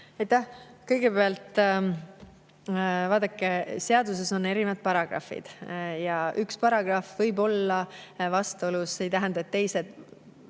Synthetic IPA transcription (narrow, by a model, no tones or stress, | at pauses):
ejt̪ːæhkɤjɡ̥e̞beɑlt̪ | vɑːd̪̥ɑkːeseɑd̪us̬e̞so̞nːe̞ɾinɑd̪̚pɑɾɑɡ̥rɑ̰fḭd̪̥jɑʔykspɑɾɑɡ̥rɑfvɤjbo̞lːɑvɑst̪oluse̞jt̪æɦænd̪ɑet̪ːe̞jse̞d̪̥